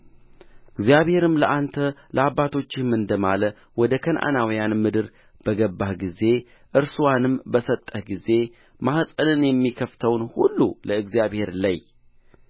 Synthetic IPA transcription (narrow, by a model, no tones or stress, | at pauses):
ɨɡzijaβhe̞ɾɨmləʔant̪ʰələabːat̪ʰo̞t͡ʃːɪmɨnd̪əmalə | wɔd̪əkʰənʔa̰nawijanmɨd̪ɨɾ | b̥əɡəbːahɡize̞ | ʔɨɾsuwanɨmbəsət̪ʼːəhɡize̞ | mahsʼəlɨnjɛmːikʰəft̪ʰəwnhulːuləɨɡzijaβhe̞ɾlaj